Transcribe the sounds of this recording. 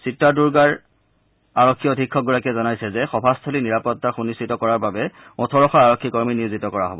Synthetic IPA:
sitːaduɹɡaɹ | aɹɔkʰːiodʱikʰːɔɡuɹakɛzɔnajsɛzɛxɔbʱastʰɔliniɹapɔtːaxunistitɔkɔɹaɹbabɛ | ɔtʰɔɹɔxaaɹɔkʰːikɔɹminiozitɔkɔɹaɦɔ̰bɔ

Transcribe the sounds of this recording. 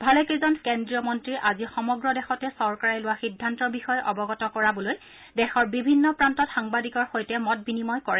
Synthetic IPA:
bʱalɛkizɔnkendɹijɔmɔntɹiʔazixɔmɔɡɹɔdɛxɔtɛsɔɹkaɹɛlʊwaxidʱːantɔbixɔjɔʔɔbɔɡɔtɔkɔɹabɔloj | dɛxɔɹbibʱinːɔpɹantɔtxaŋbadikɔɹxojtɛmɔt̚binimɔjkɔɹɛ

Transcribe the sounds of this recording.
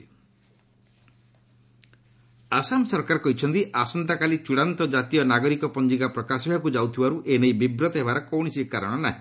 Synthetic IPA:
asamsɔɾkaɾɔkɔɦit͡ʃʰɔnt̪iʔasɔnt̪akalit͡ʃuɽant̪ɔd͡ʒat̪ijɔnaɡɔɾikɔpɔnd͡ʒikapɾɔkasɔbʱakud͡ʒawt̪ʰibaɾuʔenejbibɾɔt̪ɔɦebaɾɔkɔwɽ̃isikaɾɔɽ̃ɔnaɦĩ

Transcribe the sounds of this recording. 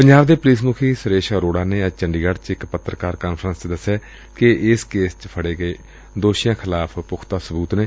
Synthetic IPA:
pəɲd͡ʒaːbd̪eːpʊliːsmʊkʰiːsəɾeːʃaːɾoːɽaːneːəd͡ʒt͡ʃəɳɖiːɡəɖt͡ʃɪkpət̪ːɾəkaːɾkaːnpʰɾənst͡ʃd̪əsːɛː | kɪɪskeːst͡ʃpʰəɽeːɡəeː | d̪oːʃɪjãːkʰɪlaːpʰpʊkʰt̪aːsəbuːt̪neː

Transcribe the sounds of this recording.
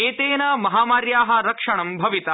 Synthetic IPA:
eːt̪eːnɐmɐɦaːmaːɾjaːɦɐ̆ɾɐkʂɐɳɐmbʱɐʋit̪ɐ

